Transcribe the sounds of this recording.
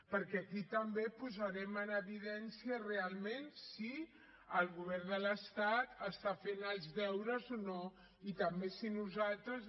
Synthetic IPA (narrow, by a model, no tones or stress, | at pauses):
pəɾkɛːkit̪əmbepuzəɾɛmənəβiðɛnsiərealˠmẽnsi | əlˠɣuβ̞ɛrnd̪ələst̪at̪əst̪afenəlˠzðɛwɾəzono | it̪əmbesinuzalˠt̪ɾəz